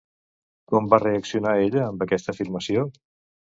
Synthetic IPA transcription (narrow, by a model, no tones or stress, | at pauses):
kɔmbareəksiunaeʎəːmbəkɛst̪əːfiɾməsio